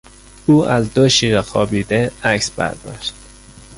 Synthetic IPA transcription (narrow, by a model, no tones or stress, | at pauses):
uːʔæzd̪oʃiːɾɒxɒːbiːd̪eæksb̥æ̰ɾd̪ɒ̰ːʃt̪̚